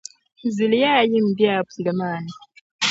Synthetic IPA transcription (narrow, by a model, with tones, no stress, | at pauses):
zi˨li˦jaː˦ji˦m̩˨bja˦˨bu˨zi˨le˨maː˨na˨